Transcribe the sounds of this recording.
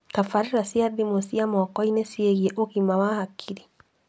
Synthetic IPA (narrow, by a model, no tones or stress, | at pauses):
kafaɾiɾasiadimosiamɔkɔinesieɣjeʔoɣimawahakʰiɾi